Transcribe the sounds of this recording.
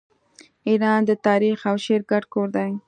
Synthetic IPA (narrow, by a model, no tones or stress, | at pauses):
iɾɑnd̪ət̪ɑɾixawʃeɾɡaʈkoɾd̪aj